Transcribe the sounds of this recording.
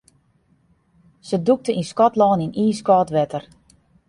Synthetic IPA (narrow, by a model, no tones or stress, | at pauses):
səduk̚təʔinskɔtlɔːniniːskɔːtʋɛtʰər